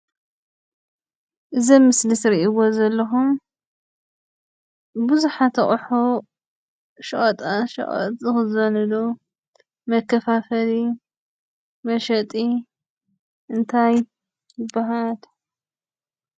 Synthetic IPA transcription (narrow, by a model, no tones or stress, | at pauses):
ʔɨzɐmːɨslɨsɾiʔiwozɐlːɐxum | bɨzuħat̪ʰɐχʼħo | ʃɐχʼɐt̪ʼaʃɐ̰χʼɐ̰t̪ʼzɨxɨzɨwɐnɐd̪o | mɐkːɐfafɐli | mɐʃɐt̪ʼi | ʔɨnt̪ʰaj | jɪbːaɦal